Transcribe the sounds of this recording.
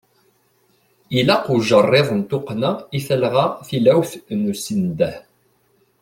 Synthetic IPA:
ilæqʊʒərˤːeðˤənt̪ʊqnaiθælʁaθilæwθnusind̪æh

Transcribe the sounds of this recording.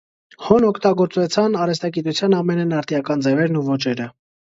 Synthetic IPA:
hɔnɔkʰt̪ɑɡɔɾt͡svɛt͡sʰɑnɑɾɛs̬t̪ɑɡit̪ut͡sʰjɑnɑmɛnɛnɑɾt̪ijɑkɑnd͡zɛvɛɾnuvɔt͡ʃɛɾə

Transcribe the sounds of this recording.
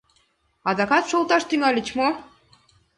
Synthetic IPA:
ɑd̪ɑkɑt̪ʃolt̪ɑʃt̪yŋɑlʲə̆t͡ɕmo

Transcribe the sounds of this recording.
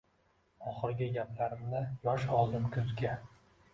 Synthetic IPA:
ɒχɨɾɡʲɪɡʲapʰlaɾɪmnɪjɒʃɒd̪ɪmkʲʰʊzɡʲa

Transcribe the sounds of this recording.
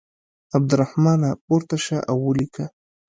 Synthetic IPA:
ab̚d̪ʊɾahmɑnapoɾt̪aʃaʔawːəlikʰa

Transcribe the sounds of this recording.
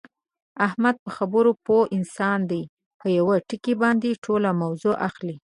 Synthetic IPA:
ahmad̪̚pəxabəɾopoʔɪnsɑnd̪aj | pəjawaʈəkibɑnd̪eʈʰolamawzoʔaxli

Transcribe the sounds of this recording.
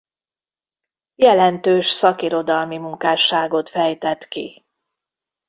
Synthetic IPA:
jɛlɛnt̪øːʃsɒkiɾo̞d̪ɒlmimuŋkaːʃaːɡo̞t̪fɛjt̪ɛt̪kḭ

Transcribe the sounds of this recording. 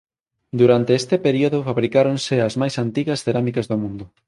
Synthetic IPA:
d̪uɾant̪eest̪epeɾioðofaβɾikaɾõnseazmajsant̪iɣɐsθeɾamikɐzðomũnd̪ʊ

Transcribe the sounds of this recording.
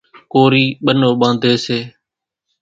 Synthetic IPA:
koːɾiːɓənoːɓãːnd̪ʱeːseː

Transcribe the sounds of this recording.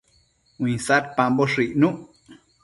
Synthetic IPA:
wĩsaɾpãmboʂiʔnũʔ

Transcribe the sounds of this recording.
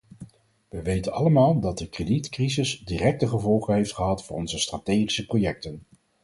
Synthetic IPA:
ʋəʋejtənɑ̰ləmaːlˠdɑd̚dəkreditkrizɪsdirɛk̚təχəvɔlˠχənɦejftχəɦɑtfʊːrɔnzəstratejχisəprojɛk̚tən

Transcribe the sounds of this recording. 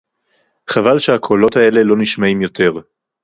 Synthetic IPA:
χavalʃehakʰolo̞thae̞le̞lo̞niʃmaimjo̞tʰe̞ʁ

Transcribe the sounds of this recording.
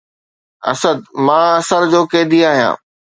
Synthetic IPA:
ɐ̰səd̪̚mãːɐsəɾd͡ʑoːkeːd̪iaːɦijã̰ː

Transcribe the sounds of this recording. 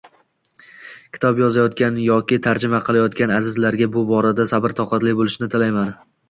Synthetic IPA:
kʲʰɪ̥t̪ʰɒbjɒzajɒt̪kʲanjɒkʲɪt̪ʰaɾd͡ʒɪmaqʰɨlˠajɒt̪kʲanazɪzlaɾɡʲabʊbɒɾad̪asabɪɾt̪ʰɒqɑt̪lɪbolˠɪʃnɪt̪ʰɪlajman

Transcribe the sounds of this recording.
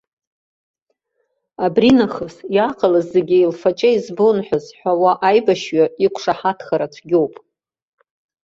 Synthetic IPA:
abrinaχəsjaqʰʼalazːeɡʲɪilfat͡ʃʼaizbonħʷᶣazħʷawaʔajbaʃɥaikʷʰʂaħatʰχaɾat͡ʃʷʰɡʲowpʼ

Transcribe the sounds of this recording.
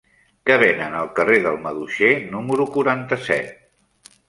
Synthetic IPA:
kəβ̞enənəlˠkəreðəlˠməðuʃenuməɾukuɾant̪əsɛ̰t̪̚

